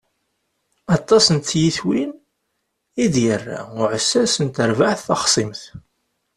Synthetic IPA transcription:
ɑt̪ˤːɑsənt̪jiθwin | id̪jərːa̰ʊʕəsːæsənt̪əɾvaʕθːɑχsˤimθ

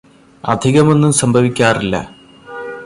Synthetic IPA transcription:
ɐ̰d̪ʱiɣɐmo̞nːumsɐmbʱɐʋikʲːaːrilːɐ̰

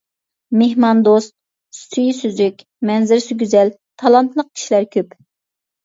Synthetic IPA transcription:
mehmɑnd̪ost̪̚ | st̪ʰyjsyzykʲ | mɛnzɪɾsyɡʲyzɛl | t̪ʰɑlˠɑnt̪lˠəq̚ʰʲi̥ʃilæɾkʲʰøp

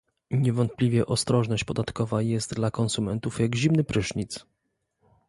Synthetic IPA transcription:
ɲɛvɔnt̪̚plʲivʲjɛʔɔst̪ɾɔʐnɔɕt͡ɕpɔd̪at̪kɔvajɛst̪̚d̪lakɔnsumɛnt̪ufjaɡʑimnɘpɾɘʂɲit̪s

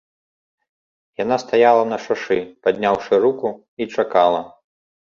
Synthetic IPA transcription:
janast̪ajalˠɐnɐʂaʂɨpad̪ʲnʲawʂɨɾuku | it͡ʂakalˠɐ

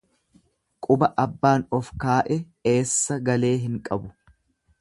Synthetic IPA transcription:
kʼʊbɐʔɐbːaːnɔfkaːʔɛ | e̞ːsːɐɡɐle̞ːɦɪŋkʼɐbʊ

